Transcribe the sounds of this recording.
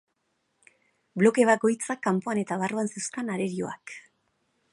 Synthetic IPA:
blo̞ke̞βako̞jt͡sakːampo̞ane̞t̪aβaroansewskanaɾe̞ɾio̞̰ak

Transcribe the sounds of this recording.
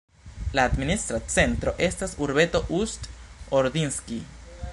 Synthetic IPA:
laːd̪minist̪ɾasent̪ɾoʔest̪esuɾβet̪oʔust̪oɾd̪inski

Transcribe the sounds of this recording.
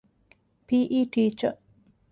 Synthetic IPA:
piːʔiːʈiːt͡ʃə

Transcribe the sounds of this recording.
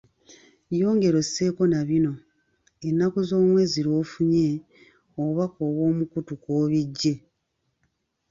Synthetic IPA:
jo̞ːŋɡe̞ɾo̞se̞ːko̞naβino̞ | enːakozo̞ːmwe̞ːziɾo̞ːfuɲe̞ | oβakoːwo̞ːmukutukwoːβiɟːe̞

